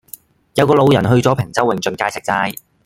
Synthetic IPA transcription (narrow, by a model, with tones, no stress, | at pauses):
jɐ˨˧wkɔː˧lo˨˧wjɐ˨˩nɦɵ˧ɥt͡sɔː˨˥pʰɪ˨˩ŋt͡sɐ˥wːɪ˨ŋt͡sɵ˧nkaː˧jt͡sʰɪ˨k̚t͡saː˧j